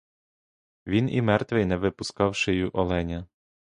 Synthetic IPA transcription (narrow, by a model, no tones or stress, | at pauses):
ʋʲinḭmɛrt̪ʋɪjnɛʋɪpʊskɑwʃɪjʊʔɔlˠɛnʲɐ